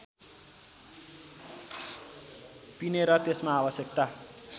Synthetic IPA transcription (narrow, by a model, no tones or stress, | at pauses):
pineɾʌt̪esmaːbʌsjʌkt̪a